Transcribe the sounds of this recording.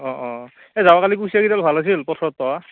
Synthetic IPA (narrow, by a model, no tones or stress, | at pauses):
ɔ̃ʔɔ̃ | ɛzawakalikusiakitalbʱalas̬ilpɔtʰɔɹɔtːɔwa